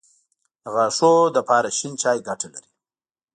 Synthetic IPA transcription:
ɣaʂod̪əpɑɾaʃint͡ʃɑjɡaʈala̰ɾi

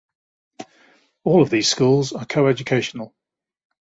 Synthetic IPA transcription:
ɔːləvðiːz̥skuːlˠzəkʰəʊɛd͡ʒəkʰeɪʃənəlˠ

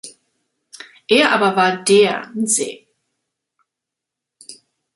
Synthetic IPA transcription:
ʔeːɐʔa̰ːbɐvaːɐdeːɐɪnz̥ḛː

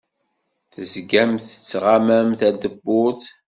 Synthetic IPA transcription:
θəzɡæmθət͡sːʁamæmθæd̪əbːʊθ

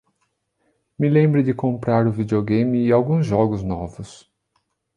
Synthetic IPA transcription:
mɪlẽmbɾɪdɪkõmpɾaɾʊvid͡ʒioɡẽmɪːawɡũzʒɔɡʊznɔvʊs

